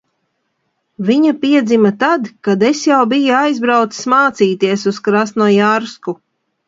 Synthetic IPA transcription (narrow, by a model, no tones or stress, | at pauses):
viɲapiɛd̪zimat̪ad̪kad̪esjawbijuajzbɾawt̪si̥smaːt̪siːt̪iɛsuskɾast̪nujaɾsku